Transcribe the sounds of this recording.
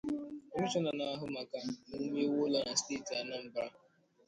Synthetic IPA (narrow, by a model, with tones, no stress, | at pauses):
e˦m̩˦t͡ʃɔ˦na˨na˦ɦʊ˦ma˨ka˦nu˦me˦wo˦la˨na˨ste˦˨ti˨a˨na˦˨m̩˨ba˦